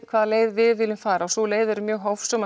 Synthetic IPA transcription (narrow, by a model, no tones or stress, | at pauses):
kʰv̥aːðaleːjðvɪðvɪlɪmfaːɾaɔsɔleːjðʏɛɾʏmjœːɣɦawfsɔm